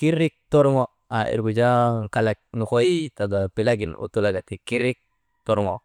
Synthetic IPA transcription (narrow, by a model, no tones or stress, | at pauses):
kiɾik̚t̪ɔɾŋɔ | aḭɾɡud͡ʒakalak̚nukoit̪aɡapilaɡinṵt̪ulaɡat̪ikiɾik̚ | t̪ɔɾŋɔ